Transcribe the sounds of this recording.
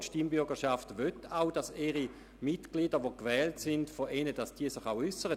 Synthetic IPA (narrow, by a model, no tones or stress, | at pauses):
ʃtimbʏɐɡəʃaftʋøtaʊd̥asɛʁi | mitɡ̥lidəʋokvɛːltsɪndfoʔɛnəd̥asd̥iːɐsɪχaʊʏsəʁə